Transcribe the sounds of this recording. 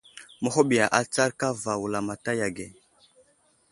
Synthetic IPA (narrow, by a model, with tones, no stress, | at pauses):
mə˦ɦo˦ɓi˨ja˨ʔa˨t͡sa˦ɾka˦va˨wu˨la˨ma˨ta˦ja˨ɡe˨